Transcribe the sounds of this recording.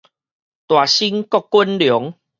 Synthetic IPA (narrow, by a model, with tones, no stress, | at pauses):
t̪wa˨˩ɕi˦ŋkɔ˥˦˨kkːwu˦nljɔ˨˦ŋ